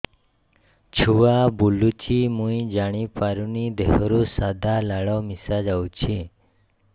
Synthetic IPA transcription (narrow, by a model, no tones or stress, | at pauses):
t͡ʃʰuʋabulut͡ʃimũĩd͡ʒaɽ̃ipaɾunid̪eɦɾusad̪ʱalaɭɔmisad͡ʒawt͡ʃʰi